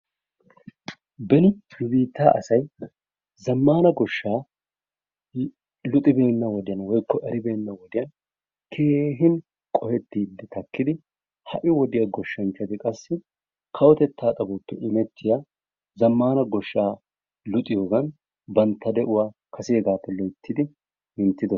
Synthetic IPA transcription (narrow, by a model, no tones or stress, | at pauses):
bɛnɪɪbiːt̪ːa̰ːʔɐsɐj | zɐmːaːnɐɡɔʃːaː | lʊt̪ʼɪbe̞ːnːɐwɔd̪ɪjɐnwɔjkːɔʔɛɾɪbe̞ːnːɐwɔd̪ɪjɐn | kʰe̞ːɦɪn | kʼɔhɛt̪ːiːd̪ːɛt̪ɐkːɪd̪ɪ | hɐ̰ʔɪwɔd̪ɪjaɡɔʃːɐnt͡ʃːɐt̪ɪkʼɐsːɪ | kʰɐwɔt̪ɛt̪ːaːt̪ʼɐbɔpːɛʔɪmɛt̪ʰːɪja | zɐmːaːnɐɡɔʃːaː | lʊt̪ʼːɪjoːɡɐn | bɐnt̪ʰːɐd̪ɛʔʊwaːkʰɐsɪeɡaːpːɛlɔjt̪ːɪd̪ɪ | ɪnt̪ːɪd̪ɔ